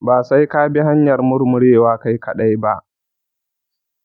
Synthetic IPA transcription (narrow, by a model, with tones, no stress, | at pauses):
baː˨sa˦jka˦bi˦ɦa˦ɲjɐ˨rmʊ˦ɾmʊ˦ɽeː˦˨waː˦ka˦jkɐ˨ɗa˦jba˦ʔ